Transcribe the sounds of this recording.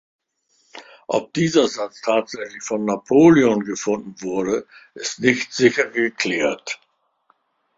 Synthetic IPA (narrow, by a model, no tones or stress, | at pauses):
ʔɔ̰p̚d̥iːzɐzat͡stʰaːtz̥ɛçlɪçfɔnːapʰoːleɔnɡəfʊndn̩vʊɐɾəʔɪstnɪçtz̥ɪçɐɡəkʰl̥ɛːɐt